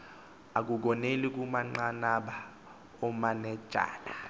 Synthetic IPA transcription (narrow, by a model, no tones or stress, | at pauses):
ak̬uk̬ɔnelik̬ʼumaŋ͡ǃanaɓa | ɔmanɛd̥ʒ̥ʱa̰ːla